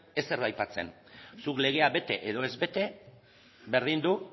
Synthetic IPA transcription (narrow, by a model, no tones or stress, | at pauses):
e̞se̞ɾβajpat͡se̞̰n | sukle̞ɣ̞e̞aβe̞t̪e̞ʔeðo̞e̞zβe̞t̪e̞ | βe̞ɾð̞ind̪u